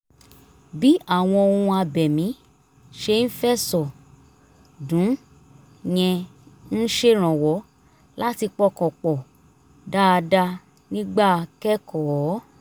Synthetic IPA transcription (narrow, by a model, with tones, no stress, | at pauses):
bi˦a˦˨w̃ɔ̃˧o˧ũ˧a˧bɛ˨mĩ˨˦ | ʃe˧n̩˦fɛ˦sɔ˨ | dũ˨˦ | j̃ɛ̃˧n̩˦ʃe˦ɾ̃ã˨wɔ˨˦ | la˦ti˧k͡pɔ˧kɔ̃˨k͡pɔ˨ | da˦˧da˦ | nĩ˦ɡ͡ba˦˨kɛ˦kʰɔ˨˦